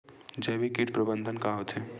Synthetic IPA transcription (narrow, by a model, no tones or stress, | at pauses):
d͡ʒɛbikiʈ̚pɾəbə̃nd̪ʱənkaɦot̪ɛː